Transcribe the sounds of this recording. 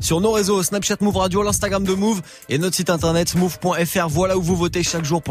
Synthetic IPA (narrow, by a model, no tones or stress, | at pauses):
syʁnoʁezosnapʃat̪muvʁad̪jolɛ̃st̪aɡʁamd̪əmuv | enɔt̪χəsit̪ɛ̃t̪ɛʁnɛt̪muvpwɛ̃ɛfɛʁvwalauvuvot̪eʃakʒuʁp